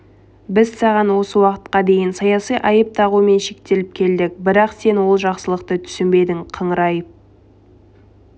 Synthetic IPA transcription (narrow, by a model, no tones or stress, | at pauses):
bɪzsɑʁɑnwo̞səwɑqə̥t̪̚qɑd̪e̞jɪnsɑjɑsijʔɑjəp̚t̪ɑʁume̞nʃe̞k̚t̪e̞lɪp̚kʲʰe̞ld̪ɪk̚bɪɾɑqse̞nwo̞lˠʒɑqsəlˠəqt̪ət̪ʰʏ̥sɪmbe̞d̪ɪŋqʰəɴɾɑj